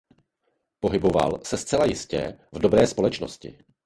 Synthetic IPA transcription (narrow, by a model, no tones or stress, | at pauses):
po̞ɦɪbo̞va̰lsɛst͡sɛlajɪscɛ̰vdo̞bɾɛːspo̞lɛt͡ʃno̞̰scɪ̰